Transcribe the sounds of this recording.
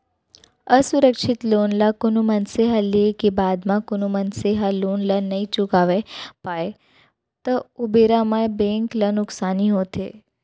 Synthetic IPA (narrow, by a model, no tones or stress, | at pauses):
əsʊɾəkʃɪt̪loːnlakʊnumənseɦalekebaːd̪mãkʊnumənseɦaloːnlanɐĩt͡ʃʊkaːʋepaːe | t̪əʊbeɾamabẽːŋklənʊksaːniɦoːt̪ḛː